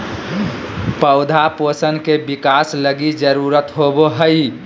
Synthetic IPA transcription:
pəʊd̪ʱaposənkebikaːsləɡid͡ʒəɾuːɾət̪ɦoboɦəi

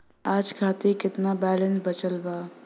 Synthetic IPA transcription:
aːd͡ʒkʰaːt̪ikɪt̪nabɛːlə̃nsbət͡ʃəlbaː

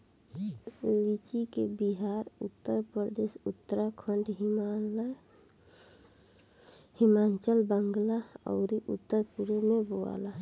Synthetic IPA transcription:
lit͡ʃikebiɦaɾut̪ːəɾpɾd̪eːʃut̪ːəɾakʰəɳɖɦ | himaːnt͡ʃəlbəŋɡlaɔ̰ʊɾiʔṵt̪ːəɾpuɾemẽboa̰la

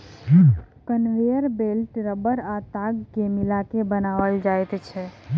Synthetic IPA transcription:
kənʋejəɾbelʈɾəbəɾat̪aɡkemilakebənaʋəld͡ʒajt̪t͡ʃʰɛ

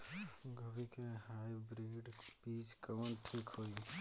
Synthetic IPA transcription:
ɡəbikeɦaːjbɾeːɖbiːt͡ʃkəʋənʈʰiːkɦoːi

